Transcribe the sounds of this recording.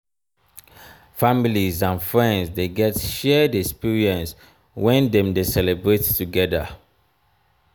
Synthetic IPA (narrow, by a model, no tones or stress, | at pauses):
familizãnfɹɛ̃ndzdeɡɛtʃɛdɛkspiɹiɛ̃ns | wɛ̃ndɛ̃mdesɛlɛbɹettuɡɛdə